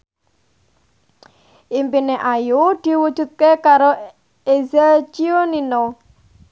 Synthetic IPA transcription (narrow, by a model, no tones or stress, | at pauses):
ʔimpineʔajud̪̥i̤wud̥d͡ʒ̥ṳt̪̚kekaɾo | ezet͡ʃionino